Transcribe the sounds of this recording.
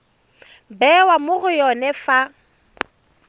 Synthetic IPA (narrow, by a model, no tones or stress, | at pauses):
bɛwamʊɣʊjɔnɛfa